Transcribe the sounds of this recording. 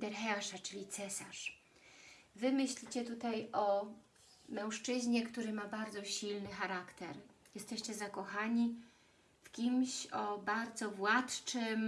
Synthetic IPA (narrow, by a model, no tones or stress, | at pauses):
d̪ɛɾxɛaʂat͡ʂɘlʲit̪sɛsaʂ | vɘmɘɕlʲit͡ɕɛt̪ut̪ajɔ | mɛ̃w̃ʂt͡ʂɘʑɲɛkt̪uɾɘmabaɾd̪zɔɕilnɘxaɾakt̪ɛɾjɛst̪ɛɕt͡ɕɛzakɔxaɲi | fkʲimɕɔbaɾd̪zɔvwat̪t͡ʂɘm